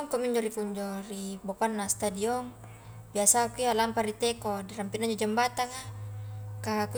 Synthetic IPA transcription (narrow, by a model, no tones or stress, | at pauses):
ŋkɔmiɲd͡ʒɔɾipuɲd͡ʒɔribopanːast̪adiɔŋ | biasakujalampaɾit̪ɛkɔdiɾampinaɲd͡ʒɔd͡ʒambat̪aŋa | kaku